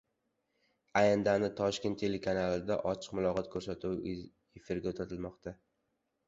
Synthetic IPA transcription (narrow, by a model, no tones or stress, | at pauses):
ajand̪anɪt̪ʰɒʃkʲe̞nt̪ʰːelekʰanalˠɪd̪aʔɒt͡ʃʰɨ̥qmʊlˠɒqʰɒt̪̚kʰɵɾsat̪ʰuw | efɪɾɡʲaot̪ʰat̪ʰɪlmɒqt̪ʰa